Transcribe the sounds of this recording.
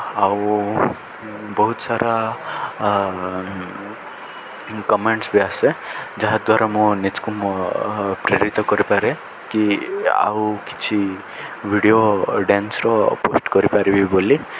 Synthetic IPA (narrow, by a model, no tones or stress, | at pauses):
aw | bɔɦut̪saɾa | kɔmeɳʈsbiased͡ʒaɦad̪waɾamũnit͡ʃkum | pɾeɾit̪ɔkɔɾipaɾe | kia̰wki̥t͡ʃʰi | bʱiɽioɖensɾɔposʈkɔɾipaɾibiboli